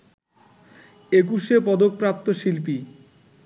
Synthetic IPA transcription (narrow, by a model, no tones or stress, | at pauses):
ek̬uʃepɔd̪ok̚pɾap̚t̪oʃilp̬i